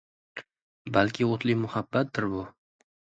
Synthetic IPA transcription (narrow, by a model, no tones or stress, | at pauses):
balkʲʰɪot̪ʰlɪmʊhabːat̪̚d̪ɪɾbʊ